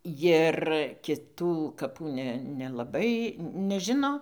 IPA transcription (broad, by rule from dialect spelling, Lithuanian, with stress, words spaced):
ˈjɪr kʲɪˈtuː kɐˈpuː ˈnʲɛ nʲɛlˠɐˈbɐɪ nʲɛˈʒʲɪnoː